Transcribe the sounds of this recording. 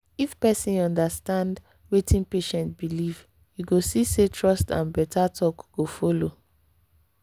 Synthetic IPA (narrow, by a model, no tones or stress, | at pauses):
ifpɛsĩnɔ̃ndastãnd | wetʰĩnpeʃɛ̃ntbiliv | juɡosisetʰɹɔstã̰nbɛtʰatʰɔkɡ̥ofolo